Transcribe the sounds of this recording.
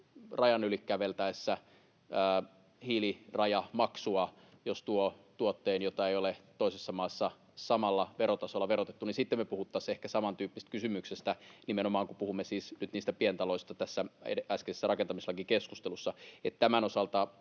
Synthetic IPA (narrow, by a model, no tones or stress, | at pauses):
rɑjɑnylikːæʋelt̪æesːæː | hiːlirɑjɑmɑksuɑ | jost̪uot̪uot̪ːeːnjot̪ɑejolet̪oisesːɑmɑːsːɑ | sɑmɑlːɑʋeɾot̪ɑsolːɑʋerot̪et̪ːuninsit̪ːemepuhut̪ːɑsehkæsɑmɑnt̪yːpːist̪̚kysymyksest̪ænimenomɑːŋkupuhumːesiːsnyt̪niːst̪æpient̪ɑloist̪ɑt̪æsːæḛæskesesːærɑkent̪ɑmiselɑkikeskust̪elusːɑet̪t̪æmæno̞sɑlt̪ɑ